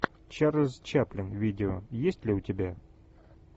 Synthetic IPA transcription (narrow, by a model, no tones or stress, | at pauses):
t͡ɕarʲɪzt͡ɕaplʲɪnvʲidʲɪojesʲtʲlʲɪʊtʲɪbʲa